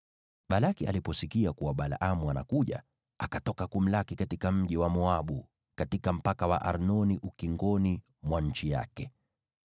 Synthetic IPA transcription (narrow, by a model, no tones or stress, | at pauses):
ɓalakia̰lipɔsikiakuwaɓalaʔamuana̰kuʄa̰ | akatɔkakum̩lakikatikam̩ʄiwamɔaɓu | katikam̩pakawa̰ʔaɾnɔniʔukiŋɡɔni | mwaɲ̩t͡ʃija̰kɛ